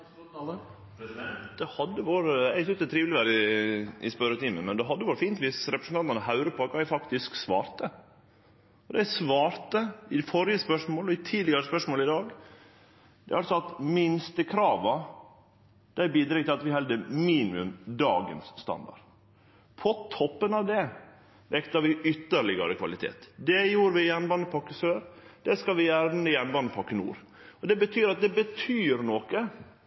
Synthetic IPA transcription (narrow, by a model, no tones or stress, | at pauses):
d̪̥ɛhɑd̪ːəʋoːɾəæɪsʏst̪ɛt̪ʰɾiːʋlɪʋæːɾəɪʔɪ̰spœɾət̪ɪməmɛnd̪ɛɦɑd̪ːəʋoːɾfiːnt̪ʋɪsɾɛpɾəsn̩ɑnt̪ɑnəhɑʉɾəpʰɔkʰɑːɛɪfɑkt̪ɪsksʋɑ̰ːɾt̪ə | ɔd̪ɛɪsʋɑːɾt̪əɪfɔɾɪəspœʂmoːlɔɪt̪ʰiːd̪lɪɡɑɾəspœʂmoːləɪd̪ɑːɡ | d̪̥ɛæɾɑlsɔɑt̪mɪnst̪əkʰɾɑːʋɑ | d̪̥æɪbiːd̪ɾɛɡt̪ʰɪlɑt̪ʋɪɦɛld̪əmiːnɪʉ̰md̪ɑ̰ːɡə̰nsːt̪ɑ̰nd̪ɑ̰ɾ | pʰɔt̪ʰɔpːənɑʋd̪ɛ | ʋɛkt̪ɑɾʋɪʏt̪ːəɾɭɪɡɑ̰ɾəkʰʋɑlɪt̪ʰḛːt̪d̪ɛjuːɾʋɪjɛnbɑnəpʰɑkːəsøːɾd̪ɛskɑʋɪjæɾnəjɛnbɑnəpʰɑkːənṵːɾ | ɔd̪ɛbət̪ʰyːɾɑt̪̚d̪ɛbət̪ʰyːɾnɔkə